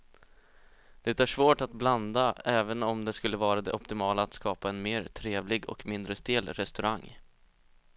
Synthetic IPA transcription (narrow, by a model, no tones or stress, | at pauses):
d̪̥ɛt̪æʂvoːʈat̪̚bland̪aɛːvənɔmd̪ɛskɵlːəvɑːɾad̪ɛ̰ʔɔpt̪ɪmɑːlaːt̪skɑːpaɛnmeːɾt̪ʰɾeːvlɪɡɔ̰kmɪnd̪ɾəst̪eːlɾɛst̪ɵɾaŋː